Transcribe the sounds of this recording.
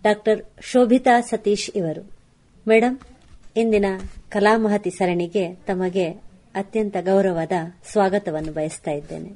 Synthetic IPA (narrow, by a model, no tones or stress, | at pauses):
ɖaːk̚ʈɐɾʃoːbʱit̪aːsɐt̪iːʃiʋɐɾu | mɛːɽɐm | ind̪inɐkɐlaːmɐɦɐt̪isɐɾɐɳiɡe̞t̪ɐmɐɡe̞ | ɐt̪jɐnt̪ɐɡɐwɾɐʋaːd̪ɐsʋaːɡɐt̪ɐʋɐnːubʱɐjɐst̪aːjid̪ːe̞̰ːne